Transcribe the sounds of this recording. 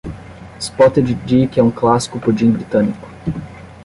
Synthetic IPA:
spɔt̪ed͡ʒid͡ʒikɛũklasi̥kʊpod͡ʒĩbɾit̪ɐ̃nikʊ̥

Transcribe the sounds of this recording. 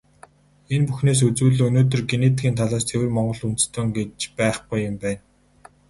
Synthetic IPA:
enpuxneːs̬ɵt͡swŭːɮɵnoːt̪̬ɵ̆rɡeneːt̪ɡiːnt̪ʰaɮaːst̪ʰewɘ̆rmɔɴɢɞ̆ɮunt̪st̪ʰoːŋɡet͡ɕpæːχɡʊjːɪmpæːn

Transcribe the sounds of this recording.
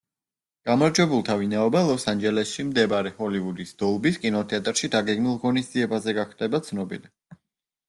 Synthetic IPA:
ɡ̥amaɾd͡ʒwɛbulˠt̪ʰavinaɔbalˠɔsand͡ʒɛlɛsʃimd̪ɛbaɾɛhɔlivud̪isd̪̥ɔlˠbiskʼinɔt̪ʰɛat̪ʼɾʃid̪aɡɛɡmilˠʁɔnisd̪z̥iɛbazɛɡaχd̪ɛbat̪sʰnɔbḭli

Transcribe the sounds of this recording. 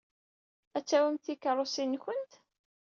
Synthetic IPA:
æt͡sːæwəmθikəɾˤosinçənt̪

